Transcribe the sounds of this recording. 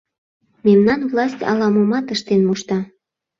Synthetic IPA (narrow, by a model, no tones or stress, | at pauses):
memnɑnvlɑsʲtʲɑ̰lɑmomɑt̪əʃt̪enmuʃt̪ɑ